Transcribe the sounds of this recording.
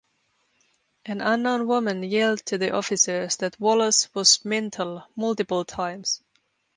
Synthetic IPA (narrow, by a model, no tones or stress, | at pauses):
ʔɨ̃nə̃nːõnwʊmə̃njilˠd̚tʰɨðiʔɔfɨsə˞zðɨt̚wɔlˠəswʌzmɛ̃ntʰəl̩ˠmʌlˠtɨpəl̩ˠtʰãɪ̃mz̥